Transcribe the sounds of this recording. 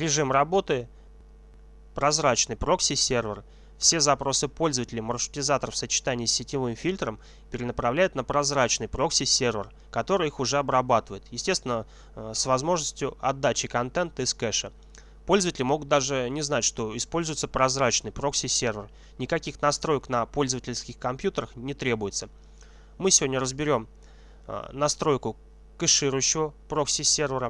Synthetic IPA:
ɾʲɪʐɨmrɐbo̞t̪ɨ | pɾɐzɾat͡ɕnɨjpɾo̞ksʲɪsʲervʲɪr | fsʲe̞zɐpɾo̞sɨpo̞lʲzəvətʲɪlʲɪmərʂɨ̥tʲɪzat̪əɾəfsət͡ɕɪ̥t̪anʲɪːsʲːɪtʲɪvɨmfʲilʲt̪ɾəm | pʲɪɾʲɪnəpɾɐvlʲæjʊt̪̚nəpɾɐzɾat͡ɕnɨjpɾoksʲɪsʲervʲɪr | kɐt̪o̞ɾɨjixʊʐɛɐbɾɐbat̪ɨvəjɪt̪jɪsʲtʲest̪vʲɪnə | svɐzmo̞ʐnəsʲtʲjʊɐd̪ːat͡ɕɪkɐnt̪ɛnt̪əɪskɛʂə | po̞lʲzəvətʲɪlʲɪmo̞ɡʊt̪̚d̪aʐɨnʲɪznatʲʂt̪o̞ɪspo̞lʲzʊjɪt̪səpɾɐzɾat͡ɕnɨjpɾo̞ksʲɪsʲervʲɪr | nʲɪkɐkʲixnɐst̪ɾo̞jəknɐpo̞lʲzəvətʲɪlʲskʲɪxkɐmpʲjut̪əɾəxnʲɪt̪ɾʲe̞bʊjɪt̪sə | mɨsʲɪvodʲnʲərəzbʲɪɾʲo̞m̰ | nɐst̪ɾo̞jkʊ | kɨʂɨɾʊjɕːɪvəpɾo̞ksʲɪsʲervʲɪɾə

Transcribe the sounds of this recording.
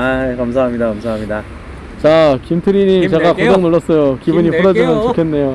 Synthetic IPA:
akams̬ʰaɦamɲidakamsʰaɦamɲida | t͡ɕakimtʰɯɾiɲimt͡ɕe̞ɡakooŋnoɭʌs͈ʌjokibuɲiɸʰoɾʌd͡ʑimjʌnt͡ɕokʰe̞nːe̞jo

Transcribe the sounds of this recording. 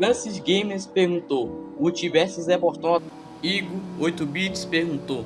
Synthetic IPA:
fɾɐ̃sisɡẽmeɾspeɾɡũt̪owut͡ʃivɛsizɛpoɾt̪õ | iɡuojt̪ubit͡ʃi̥speɾɡũnt̪o

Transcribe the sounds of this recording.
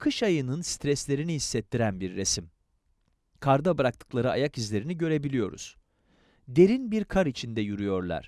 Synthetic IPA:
kʰɯʃajɯnɯnst̪ɾɛslʲe̞ɾiniɦisːɛt̪ʰːiɾænbiɾːesim | kʰaɾd̪abɯɾak̚t̪ʰɯ̥klˠaɾɯa̰jakizlʲe̞ɾiniɟø̞ɾe̞bilʲijo̞ɾṵz̥ | d̪e̞ɾinbiɾkʰaɾit͡ʃʰind̪ɛjuɾyjo̞ɾlˠa̰ɾ̥

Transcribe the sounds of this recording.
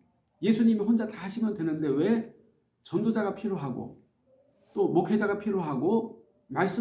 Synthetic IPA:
je̞sʰuɲimiɸond͡ʑataɦaɕʰimjʌndwenɯnde̞we̞ | t͡ɕʌndod͡ʑaɡapʰiɾoɦaɡo̰ | t͈omokʰed͡ʑaɡapʰiɾoɦaɡo | maɭs͈ɯ

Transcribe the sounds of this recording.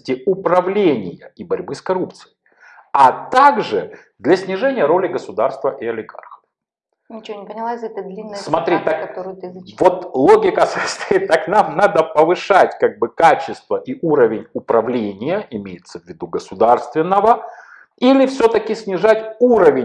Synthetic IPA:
tʲɪʊpɾɐvlʲenʲɪjəibɐɾʲbɨskɐɾup̚t̪sɨ̥jɪ | ɐt̪aɡʐɨ | d̪lʲɐsʲnʲɪʐɛnʲɪjəɾo̞lʲɪɡəsʊd̪arst̪vəʔiɐlʲɪɡa̰rxə | nʲɪt͡ɕɪvonʲɪpənʲɪlˠaɛt̪d̪lʲinːsmɐt̪ɾʲit̪akɐt̪ɾt̪vo̞t̪lˠoɡʲɪkəsəst̪ɐjit̪ːaknamnad̪əpəvɨʂatʲkaɡ̚bɨkat͡ɕːɪst̪vəʔiʔuɾəvʲɪnʲʊpɾɐvlʲenʲɪjəʔɪmʲejɪt̪səvʲːɪd̪uɡəsʊd̪arst̪vʲɪnːəvə | ilʲɪfsʲɵt̪əkʲɪsʲnʲɪʐatʲuɾəvʲɪ

